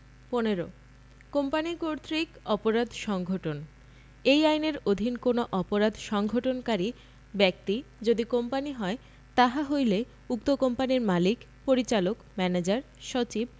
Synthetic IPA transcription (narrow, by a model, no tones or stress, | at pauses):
poneɾo | kompanikoɾt̪ɾikɔpoɾad̪ʱʃɔŋɡʱoʈon | ejajneɾod̪ʱinkonoʔɔpoɾad̪ʱʃɔŋɡʱoʈonkaɾi | bɛk̚t̪id͡ʑod̪ikompaniɦɔe | t̪aɦaɦojle | uk̚t̪okompaniɾmalik | poɾit͡ɕalokmɛned͡ʑaɾ | ʃot͡ɕib̚